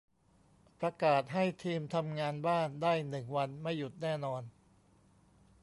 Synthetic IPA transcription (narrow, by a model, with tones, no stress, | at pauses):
pɾa˧kaː˨˩t̪̚ɦa˥˩jt̪ʰiː˧mt̪ʰa˧mŋaː˧nbaː˥˩ndaː˥˩jnɯ˨˩ŋwa˧nma˥˩jːu˨˩t̪̚nɛː˥˩nɔː˧n